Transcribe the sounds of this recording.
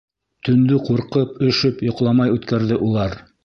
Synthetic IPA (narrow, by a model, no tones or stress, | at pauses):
t̪ɵ̆nd̪ɵquɾqɤpɵ̆ʃɵpjŏqlˠɑmɑjʉt̪kæɾðɘʔulˠɑɾ